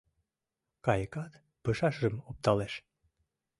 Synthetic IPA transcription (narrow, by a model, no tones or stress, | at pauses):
kɑjəkɑt̪ | pəʃɑʃʒɤmop̚t̪ɑleʃ